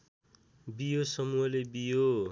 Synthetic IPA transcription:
bijosʌmuʌlebijo

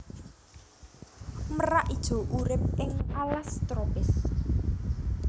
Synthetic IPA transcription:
məraʔid̥ʒ̥o̤ʔuɾɪp̚ɪŋalast̪ɾopɪs

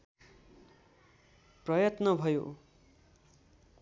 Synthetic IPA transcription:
prʌjʌt̪nʌbʱʌjo̰

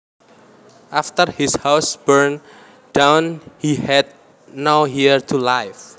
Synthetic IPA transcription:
ʔaft̪ərhishawsb̥əɹn | d̥ãwnhihɛd̪̚ | nawɦirt̪ʰulajf

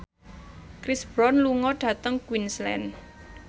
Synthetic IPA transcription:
kɾisb̥ɾɔnluŋɔɖ̥ä̤t̪əŋkwinslɛ̰n

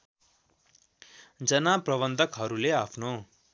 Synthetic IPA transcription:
d͡zʌnaprʌβʌnd̪ʱʌkɦʌɾuleapʰno

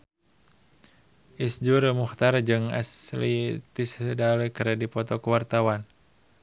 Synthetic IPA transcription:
ʔisd͡ʒurmuxt̪ard͡ʒɨŋa̰slit̪isdalekəɾɛdipɔt̪ɔkəwart̪awan

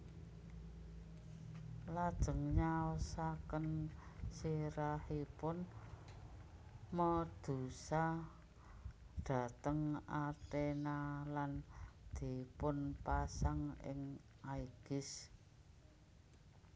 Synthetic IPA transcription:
lad̥ʒ̥ə̤ŋɲaɔsakənsiɾahipʊn | məd̪̥usa | ɖ̪̥a̤t̪əŋat̪enaland̪̥i̤pʊnpasaŋɪ̰ŋ | aiɡ̥ɪs

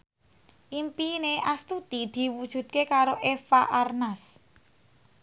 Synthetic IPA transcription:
ʔimpineʔast̪ut̪id̪̥i̤wud̥ʒ̥ṳd̪̥̚kekaɾoʔefaʔarnas

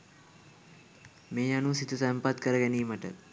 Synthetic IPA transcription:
meːanusit̪usɛmpat̪kəɾəɡæniːməʈə̰

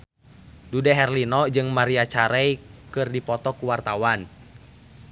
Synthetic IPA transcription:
dudɛɦɛrlinɔd͡ʒɨŋmaɾiat͡ʃaɾɛjkɨrdipɔt̪ɔkuwart̪awan

